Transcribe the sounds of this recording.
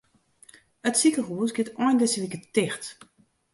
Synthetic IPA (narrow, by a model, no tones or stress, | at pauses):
ətsikəɣuːəsɡɪtɔjndɛsəlikətɪxt